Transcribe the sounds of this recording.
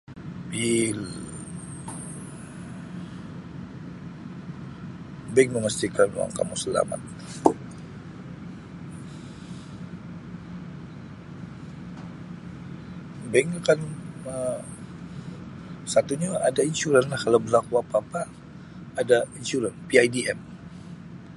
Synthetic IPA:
bil | baik̚məməst̪ikanuwa̰ŋka̰musəla̰ma̰t̪̚ | baŋakanə | sat̪uɲaadainʃuɾanlahkalawbəlakuapaːpaː | dainʃuɾanpiajdiɛm

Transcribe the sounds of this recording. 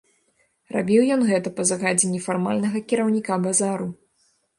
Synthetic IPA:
rabʲiwjɔnɣɛt̪ɐpɐzaɣad͡zʲenʲːifarmalʲnɐɣɐkʲiɾɐwnʲikabazaɾu

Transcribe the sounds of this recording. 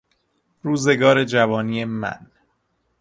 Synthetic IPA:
ɾuːze̞ɡɒːɾe̞d͡ʒævɒːniːemæ̰n

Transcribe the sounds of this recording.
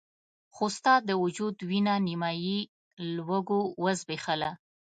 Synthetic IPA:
xost̪ɑd̪əwʊd͡ʒud̪winanimɑji | lwəɡowəzbexala

